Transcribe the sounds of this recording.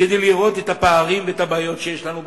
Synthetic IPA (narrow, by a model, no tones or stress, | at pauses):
ed̪ejliʁo̞t̪et̪apaaʁimveet̪abaːjo̞t̪ʃejeʃlanu